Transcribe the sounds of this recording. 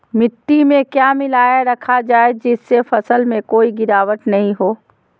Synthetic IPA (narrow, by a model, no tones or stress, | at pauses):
mɪʈ̪ːimẽkjaːmɪlaːjaɾɐkʰad͡ʒaːed͡ʒɪsːefɐsəlmẽkoːiɡɪɾaːʋəʈnɐɦĩɦoː